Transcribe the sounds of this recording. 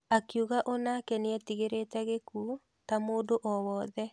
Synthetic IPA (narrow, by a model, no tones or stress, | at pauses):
akjuɣaʔonakɛneɛtiɣeɾetɛɣeku | tamoːdoʔɔwɔðɛ